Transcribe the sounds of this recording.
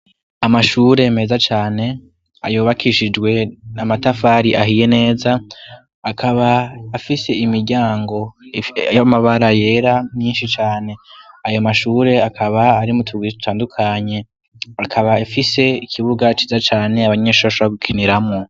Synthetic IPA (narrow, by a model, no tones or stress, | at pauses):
amaʃuːɾe̞me̞ːzat͡ʃaːne̞ | a̰juːβakʰiʃid͡ʒɡwe̞namatafaɾiʔaɦije̞ne̞ːza | akʰaβaːfise̞imiɾɟaːŋɡo̞jamaβaɾaje̞ːɾamɲiːnʃit͡ʃaːne̞ajo̞maʃuːɾe̞akʰaβaːɾimutʰuɡwitu̥tʰaːndukʰaɲe̞ | akʰaβaafise̞ikʰiβuɡat͡ʃizat͡ʃaːne̞aβaɲeːʃuβaʃβaɡukʰiniɾamŋo